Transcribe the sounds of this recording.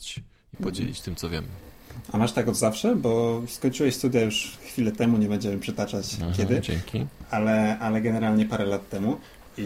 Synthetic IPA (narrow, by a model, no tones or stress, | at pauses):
t͡ɕ | ipɔd͡ʑɛ̰lʲḭt͡ɕt̪ɘmtsɔvjɛ̰m | amaʂt̪akɔd̪zafʂɛbɔskɔɲt͡ʂɨwɛɕst̪ud̪jajuʂxfʲilɛt̪ɛmuɲɛbɛɲd͡ʑɛwɛmpʂɛt̪at͡ʂat͡ɕkʲɛd̪ɘd͡ʑɛŋkʲʰialɛʔalɛɡɛnɛɾalɲɛpaɾɛlat̪ːɛmu | i